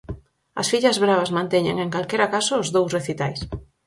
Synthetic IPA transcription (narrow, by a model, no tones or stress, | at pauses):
ɐ̰sfiʎɐzβɾaβazmãnt̪ɛɲeŋeŋkalkeɾakasʊːzðowsreθit̪ajs